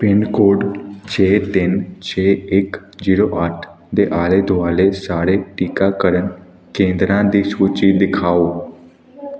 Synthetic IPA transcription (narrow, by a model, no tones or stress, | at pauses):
piɳkoɽt͡ɕʰet̪int͡ɕeekd͡ʑiɾoʔaʈʰ | d̪eʔaled̪ʱʋalesaɽeʈikakəɾən | kẽnd̪ɾãd̪isut͡ɕid̪ikʰaʋo